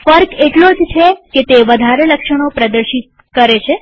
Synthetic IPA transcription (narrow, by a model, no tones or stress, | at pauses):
fəɾkeʈlod͡ʒt͡ʃʰeket̪eʋəd̪ʱaɾeləkʃəɽ̃opɾəd̪əɾʃit̪̚ | kəɾet͡ʃʰe